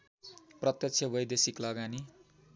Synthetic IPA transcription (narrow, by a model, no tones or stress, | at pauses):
prʌt̪jʌksʰjʌbʌjd̪esiklʌɡani